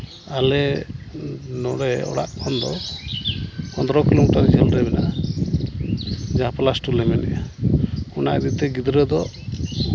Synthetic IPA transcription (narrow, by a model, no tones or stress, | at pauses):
alɛ | nɔɽɛɔ̰ɽa̰ʔkʰɔnd̪ɔ̰ | pɔnd̪ɾɔkilomiʈaɾd͡ʒɛlɾɛbɛna | d͡ʒaaplasʈulɛmɛnɛ̰akɔnad̪it̪ɛɡid̪ɾɛd̪ɔ